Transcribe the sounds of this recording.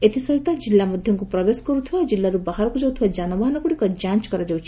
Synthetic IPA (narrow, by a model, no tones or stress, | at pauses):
et̪isɔɦit̪ad͡ʒilːamɔd̪ʱjɔŋkupɾɔbeskɔɾut̪ʰiad͡ʒilːaɾubaɦaɾɔkud͡ʒawt̪ʰiad͡ʒanɔbaɦɔnɔkuɽikɔd͡ʒãnt͡ʃkɔɾad͡ʒawt͡ʃʰi̥